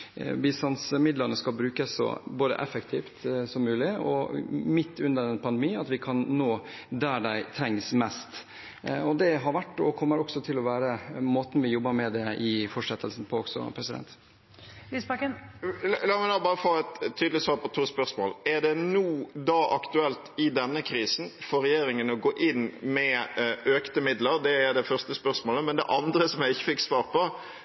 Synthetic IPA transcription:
bɪst̪ɑnsmɪd̪ləɾnəskɑlbɾʉːkəsːɔ̰boːd̪ə̰ʔɛfəkt̪ʰiːft̪sɔmːʉːlɪɔ̰mɪt̪ːʉnd̪əɾɛnpʰɑnd̪ɛmiːɑt̪ʋɪkʰɑnːoːd̪æɖæɪt̪ʰɾɛŋːsmɛst̪ | ɔd̪ɛɦɑɾʋæʈːɔ̰kʰɔmːəɾɔksɔt̪ʰɪlɔʋæːɾəmoːt̪n̩ʋɪjɔbːəɾmɛd̪ɛʔɪfɔʂɛt̪ʰːəlsn̩pʰɔɔɡsɔ̰pʰɾɛsɪd̪ɛ̰nt̪ | liːsbɛkənllɑːmɪnoːəbɑːɾəfoːɛt̪ʰːyːd̪lɪsʋɑːpʰɔt̪ʰuːspœɾsmoːlæʁd̪ɛnuːd̪ɑːʔɑkt̪ʉɛlt̪ɪd̪ɛnːəkʰɾiːsn̩fɔɾɛjeːɾɪŋənɔɡoːʔɪnːmɛøːkt̪əmɪd̪ləɾd̪ɛæɾd̪ɛfœʁst̪əspœʁsmoːləmɛnd̪ɛ̰ʔɑnd̪ɾəsɔmjæɪɪçːəfɪkːsʋɑːɾpʰɔ

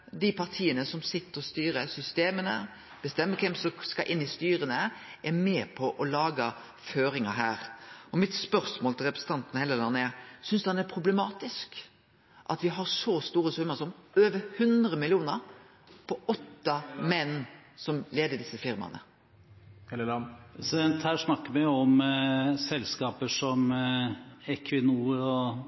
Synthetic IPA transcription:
d̪ɪpʰɑʁt̪ʰiːənəsɔmsɪt̪ːəɾɔst̪yːɾəsʏst̪eːmənə̰ | b̥əst̪ɛmːəkʰɛmsɔskɑʔɪnːɪst̪yːɾənəʔɛɾmeːpʰɔʔɔlɑːɡə | føːɾɪŋɑɦæːɾɔmɪt̪spœɾsmoːlt̪ɪlʁɛpɾəsət̪ɑnt̪nəhɛlːəlɑnːəɛɾsʏnsd̪ɛnæɾpʰɾʊblɛmɑːt̪ɪsk | ʔɑt̪ʋɪɦɑɾsɔst̪uːɾəsʉmːəsɔmøːʋəhʉnd̪ɾəmɪlɪuːnəɾ | pʰɔɔt̪ːɑmɛnː | sɔmleːd̪əd̪ɪsːəfɪɾmɑ̰nə̰ | sɛnt̪hæːʂnɑkːəmɛɔmsɛlskɑːpəʂɔm | ɛkʰʋɪnuːɾɔ

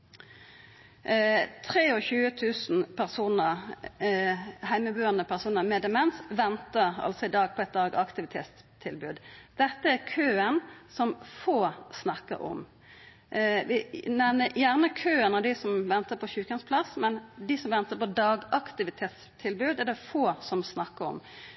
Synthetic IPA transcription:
t̪ʰʁeːɔçʉːət̪ʰʉːsn̩pʰæʁsuːnə | hæɪməbʉːɑnəpʰæʁsuːnəʁmɛːd̪əmɛnsʋɛnt̪əʁɑ̰lsɔɪd̪ɑːɡ̚pʰɔɛt̪̚d̪ɑːɡɑkt̪ɪʋɪt̪ʰḛːt̪s | t̪ʰɪlbʉ̰ːd̪d̪̥ɛt̪ːəæɾkʰøːənsɔmfoːsnɑkːə̰ɾɔ̰m | ʋɪnɛʋnəjæʁnəkʰøːənɔd̪ɪsɔmʋɛnt̪əpʰɔçʉːkənspʰlɑsmɛnd̪ɪsɔmʋɛnt̪əpɔd̪ɑːɡɑkt̪ɪʋɪt̪ʰeːt̪s | t̪ʰɪlbʉːd̪æʁd̪ɛfoːsɔmsnɑkːəɾɔ̰m

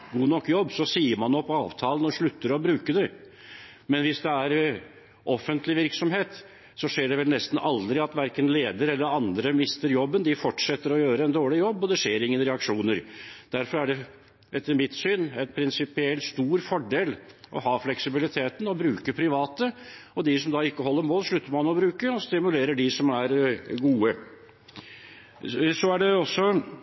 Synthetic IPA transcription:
ɡuːnɔkːjɔbːsɔsiːəɾmɑnɔpːɑ̰ːʋt̪ʰɑːlənɔʂɭʉt̪ːəɾɔbɾʉːkəd̪ɛ | mɛnʋɪsd̪ɛæɾ | ʔɔfːənt̪lɪʋɪɾksɔmheːt̪ | sɔʂeːɖɛʋɛlnɛst̪n̩ʔɑld̪ɾɪɑt̪ʋæɾkənleːd̪əɾɛlːəɾɑnd̪ɾəmɪst̪əɾjɔbːənd̪ɪfɔʈʂɛt̪ːəɾɔjøːɾəɛnd̪oːɭɪjɔbːɔd̪ɛʂeːɾɪŋːənɾɛɑkʂuːnəɾd̪̥æɾfɔɾæɖɛ | ʔɛt̪ːəɾmɪt̪ːsyːnɛnpʰɾɪnsɪpɪɛlst̪uːɾfɔɖeːlʔɔ̰hɑːflɛksɪbɪlɪt̪ʰeːt̪nɔbɾʉːkəpʰɾɪʋɑːt̪əɔd̪ɪsɔmd̪ɑːɪkːəɦɔlːəɾmoːlʂɭʉt̪ːəɾmɑnɔbɾʉːkəɔst̪ɪmʉleːɾəɖɪsɔmæɾɡuːə | sɔæɖɛɔsːɔ

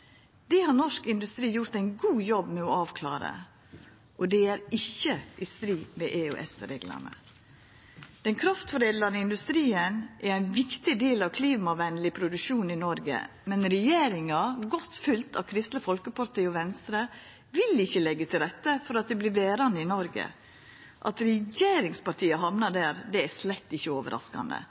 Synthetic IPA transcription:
d̪ɛhɑɾnɔʂkɪnd̪ʉst̪ɾiːjʊɾt̪æɪnɡuːjɔbmɛɔɑːʋkʰlɑ̰ːɾə̰ | ʔɔd̪ɛæɾɪçːəʔɪst̪ɾiːmɛʔeø̰ːʔɛ̰sɾḛːɡlɑ̰nə̰ | d̪̥ɛnkʰɾɑft̪fɔɾeːd̪lɑnəɪnd̪ʉst̪ɾiːənʔæɾæɪnʋɪkt̪ɪd̪eːlɑʋkʰliːmɑʋɛnlɪpʰɾʊd̪ʉʃuːnɪnɔɾɡə̰ | mɛnɾɛjeːɾɪŋɑɡɔt̪fʉlt̪ʰɑ̰ʋkʰɾɪst̪ləfɔlkəpʰɑɾt̪iːɔʋɛnst̪ɾə | ʋɪlɪçːəlɛɡːət̪ʰɪlɾɛt̪ːəfɔɾɑt̪̚d̪ɛblɪɾʋeːɾɑnəɪnɔɾɡə̰ | ʔɑt̪ɾɛjeːɾɪŋspɑɾʈt̪ʰiːəɦɑmnɑd̪æːɾd̪ɛæʂlɛt̪ːɪçːəoːʋə̰ɾʔɑ̰skɑ̰nd̪ə̰

